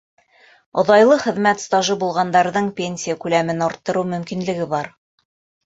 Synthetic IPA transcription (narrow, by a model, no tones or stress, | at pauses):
ŏðɑjlˠɤχɘ̆ðmæt̪st̪ɑʒɤbulˠʁɑnd̪ɑɾðɤɴpʲenʲsʲijəkʉlæmɘnɒɾt̪ːɤ̆ɾɤwmɵ̆mkinlɘ̆ɡɘbɑɾ